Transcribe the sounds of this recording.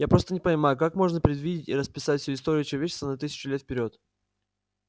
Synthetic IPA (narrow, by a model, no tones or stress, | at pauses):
japɾo̞st̪ənʲɪpənʲɪmajʊkakmo̞ʐnəpɾʲɪd̪vʲidʲɪtʲiɾəspʲɪ̥satʲfʲsʲoɪst̪o̞ɾʲɪjʊt͡ɕɪlˠəvʲet͡ɕːɪst̪vənɐt̪ɨsʲɪ̥t͡ɕʊlʲet̪fpʲɪɾʲo̞t̪